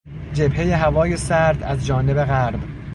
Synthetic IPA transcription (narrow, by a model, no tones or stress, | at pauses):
d͡ʒe̞bhe̞je̞ɦævɒːje̞sæɾd̪æzd͡ʒɒːne̞be̞ɣæɾb